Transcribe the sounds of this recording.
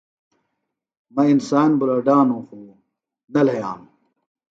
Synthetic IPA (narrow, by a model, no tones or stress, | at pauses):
mɐinsaːnbulɐɖaːnõːxuː | nɐlɐjaːm